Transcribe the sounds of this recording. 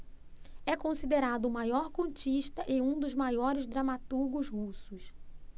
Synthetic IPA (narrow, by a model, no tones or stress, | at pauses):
ɛkõsid̪eɾad̪ʊmajɔɾkõnt͡ʃiʃt̪ɐʔɪũd̪ʊzmajɔɾɪzd̪ɾamat̪uɾɡʊzhusʊs